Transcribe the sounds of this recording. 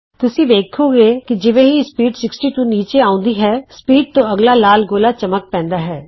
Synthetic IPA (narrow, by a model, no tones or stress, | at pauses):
t̪ʊsĩːʋeːkʰoːɡeːkɪd͡ʒɪʋẽːɦispiːɖsɪksʈiːʈuːniːt͡ʃeːaːʊ̃nd̪iːɦɛːspiːɖ̚t̪õːəɡlaːlaːlɡoːlaːt͡ʃəmək̚pɛ̃ːnd̪aːɦɛː